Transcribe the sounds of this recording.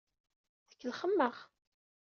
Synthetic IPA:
θəkːəlχəmːəʁ

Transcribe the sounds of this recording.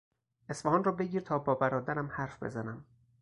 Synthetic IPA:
ʔe̞sfæhɒːnrɒːbe̞ɟiːɾt̪ʰɒːbɒːbæɾɒːd̪æɾæmhæɾfb̥ezænæm

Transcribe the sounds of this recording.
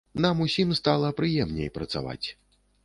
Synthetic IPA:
namusʲimst̪alˠɐpɾɨjɛmnʲḛjpɾɐt̪sa̰va̰t͡sʲ

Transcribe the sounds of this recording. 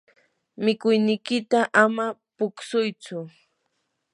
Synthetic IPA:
mɪkʊjnɪjkɪt̪aʔamapʊksʊjt͡sʊ

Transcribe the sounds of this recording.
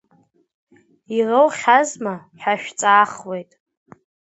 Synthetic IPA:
irowχʲazma | ħaʃᶣt͡sʼaːχwejtʼ

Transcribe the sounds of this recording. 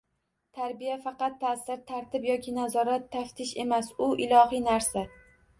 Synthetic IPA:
t̪ʰaɾbijafɑqɑt̪ʰːasɪɾt̪ʰaɾt̪ʰɪbjɒkʲʰɪnazɒɾat̪ʰːaft̪ʰɪʃe̞masʊʔɪlˠɒhinaɾsa

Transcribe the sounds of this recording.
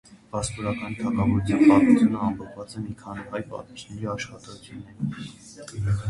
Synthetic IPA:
b̥ɑsp̪ɔɾɑkɑnt̪ʰɑkɑvɔɾut̪ʰjɑnpɑt̪mut͡sʰjunəɑmpʰɔpʰvɑt͡sɛmikʰɑniɦɑjpɑ̰t̪it͡ʃnɛɾiɑʃχɑt̪ɔt͡sʰjunːɛɾ

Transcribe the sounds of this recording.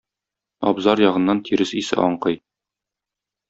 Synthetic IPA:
ɒ̰bzɑɾjɒʁɤ̆nːɑnt̪ʰiɾɘsisɘ̰ʔɒɴqɤj

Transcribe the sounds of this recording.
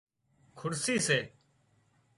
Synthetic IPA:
kʰʊɽsiːseː

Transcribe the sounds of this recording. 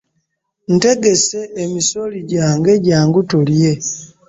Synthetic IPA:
n̩te̞ɡe̞se̞ːmiso̞liɟaːŋɡe̞ɟaːŋɡutulje̞

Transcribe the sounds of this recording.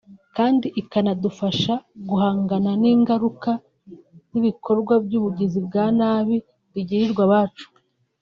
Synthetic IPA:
kaːndiʔikanadufaʃaɡuhaːŋɡananiːŋɡaɾuka | niβikʰo̞ɾɡwabɟuːβuɟizib̚ɡaːnaβi | βiɟiɾiɾɡwaβaːt͡ʃu̥

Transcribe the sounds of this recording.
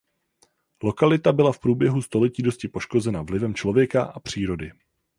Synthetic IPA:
lo̞kalɪt̪abɪlafpɾuːbjɛɦust̪o̞lɛciːdo̞scɪpo̞ʃko̞zɛnavlɪvɛmt͡ʃlo̞vjɛkaʔapr̝̥iːɾo̞dɪ

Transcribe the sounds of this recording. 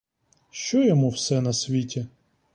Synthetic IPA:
ʃt͡ʃɔjɔmuwsɛnɐsʲʋʲitʲi

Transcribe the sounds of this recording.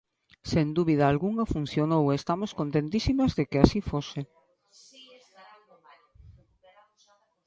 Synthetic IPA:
send̪uβið̞aːlɣuŋɐfun̟θjonowest̪amoskont̪ẽnt̪isimazðekeasifose

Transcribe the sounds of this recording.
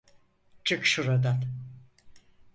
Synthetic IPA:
d͡ʒɯkʃuɾad̪an

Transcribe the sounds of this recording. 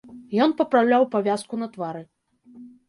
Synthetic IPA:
jɔnpɐpɾawlʲawpavʲaskunɐt̪vaɾɨ

